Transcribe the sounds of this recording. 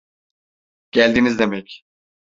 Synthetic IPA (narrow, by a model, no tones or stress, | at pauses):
ɟ̥ælʲd̪inizd̪emɛc